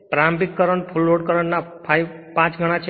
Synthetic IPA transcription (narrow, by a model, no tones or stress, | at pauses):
pɾambikːəɾəɳpʰulːoɖ̚kəɾəɳnapʰajpãt͡ʃɡʱəɽ̃ãt͡ʃʰ